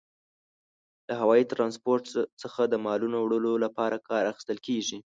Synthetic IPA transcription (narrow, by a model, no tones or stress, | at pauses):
laɦawɑjit̪ɾɑnspoɾʈsəxad̪əmɑlunowɽəlolapɑɾakʰɑɾaxi̥st̪əlkeʒi